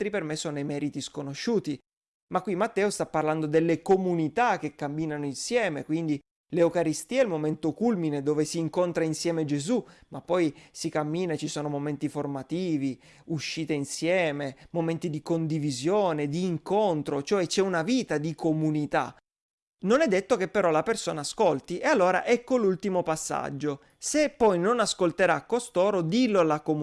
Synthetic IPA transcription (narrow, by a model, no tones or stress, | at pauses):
t̪ɾipermesoːnejmɛːɾit̪iskonoʃːuːt̪i | makːwimːat̪ːɛːost̪apːarland̪od̪elːekomunit̪ak̟ːekːamːiːnanoinsjɛːmekwind̪i | leokaɾist̪iːaɛilmoment̪okulmined̪oːvesiːŋkont̪ɾainsjɛːmed͡ʒezumapːɔjsikamːiːnat͡ʃisoːnomoment̪iformat̪iːvi | uʃːiːt̪einsjɛːmemoment̪id̪ikond̪ivizjoːned̪iːŋkont̪ɾot͡ʃoɛt͡ʃɛunaviːt̪ad̪ikʰomunit̪a̰ | nonɛd̪ːet̪ːok̟epːeɾɔlapersoːnaːskolt̪iʔealːoːɾa̰ʔɛkːolult̪imopasːa̰d͡ʒːo | sepːɔjnonaskolt̪eɾakːost̪oːɾod̪ilolakom